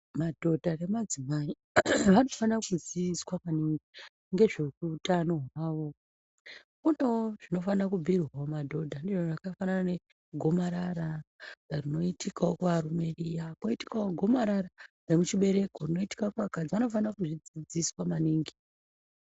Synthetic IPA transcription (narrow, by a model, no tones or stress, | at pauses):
madʱo̞dʱare̞mad͡zimai | ʋano̞fankud͡ziiswamaniŋɡi | ŋɡe̞ʐe̞ruːtano̞ɦaːʋo̞ | kunewoʐ̥ino̞fanakubʱirwaomadʱo̞dʱandiʐorakafanaane | ɡʱo̞maɾaɾarino̞itikaokuʋaɾume̞rijakoiti̥kaoɡʱo̞maɾaɾaremut͡ʃiɓe̞ɾe̞korino̞iti̥kaokuʋakad͡ziʋano̞fanakuʐid͡zid͡ziswamaniːŋɡi